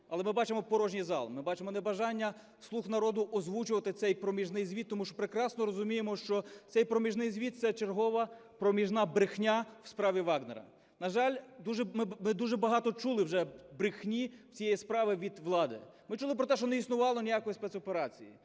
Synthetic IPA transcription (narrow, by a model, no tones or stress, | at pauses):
ɐlˠɛmɪbɑt͡ʃemɔpɔɾɔʒnʲizɑ̰lˠmɪbɑt͡ʃemɔnɛbɐʒɑnʲːɐ | slˠuxnɐɾɔd̪ʊʔɔzʋut͡ʃʊʋɐt̪ɪt̪sɛjpɾɔmʲiʒnɪjzʲʋʲit̪ːɔmuʃt͡ʃɔ̥pɾekɾɑsnɔɾɔzʊmʲijemɔʃt͡ʃɔt̪sɛjpɾɔmʲiʒnɪjzʲʋʲit̪̚sɛt͡ʃerɦɔʋɐpɾɔmʲiʒnɑbɾɪxnʲawspɾɑʋʲiʋɑɡneɾɐ̰ | nɐʒɑlʲd̪uʒɛmɪmɪd̪uʒɛbɐɦɑt̪ɔt͡ʃulˠɪwʒɛbɾɪxnʲiw̥t͡sʲijɛjispɾɑʋɪʋʲid̪ʋlˠɑd̪ɪ̰mɪt͡ʃulˠɪp̬ɾɔt̪ɛʃt͡ʃɔnɛisnʊʋɑlˠɔnʲijakɔjispɛtsɔpeɾɑt͡sʲḭjḭ